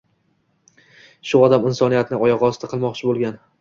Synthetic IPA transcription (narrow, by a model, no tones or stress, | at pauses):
ʃʊɒd̪amɪnsɒnijat̪nɪɒjɒʁɒsɪt̪aqʰɨlˠmɒqt͡ʃʰɪbolˠɡʲan